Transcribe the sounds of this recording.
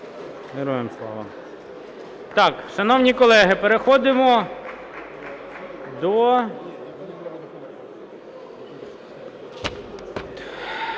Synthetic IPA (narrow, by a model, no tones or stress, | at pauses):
ʋeɾɔjemslˠɑ̰ʋɐ̰ | t̪ɑkʃɐnɔwnʲikɔlˠɛɦɪpeɾexɔd̪ɪmɔ | d̪ɔ